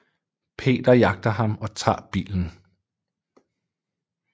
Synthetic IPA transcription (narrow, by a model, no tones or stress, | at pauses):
pʰe̝̰ːd̥ɐjɑ̈ɡ̥̚d̥ɐɦɑ̈mɒ̽t͡sʰɑ̰̈ːb̥ḭːln̩